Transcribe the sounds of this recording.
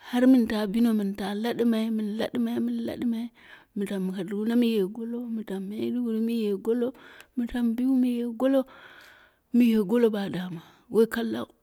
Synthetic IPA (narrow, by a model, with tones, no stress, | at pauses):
ha˦ɾmi˦˨nta˨bi˦no˦mi˨n˨ta˨la˦ɗi˦ma˨i˦mi˨n˨la̰˦ɗi˦ma˨˦mi˦n˦la̰˦ɗi˦ma˨i˦ | mi˨ta˨mːi˨ka˨dɡu˦na˦mi˦je˨ɡo˦lo˦mi˨ta˨mːe˦du˦ɡu˨ɾi˦mi˦je˨ɡo˦lo˦mi˨ta˦mbi˦u˦mi˦je˨ɡo˦lo˦ | mi˦je˨ɡo˦lo˦ba˨da˨ma˨ | we˦i˦ka˦lːa̰˦u˨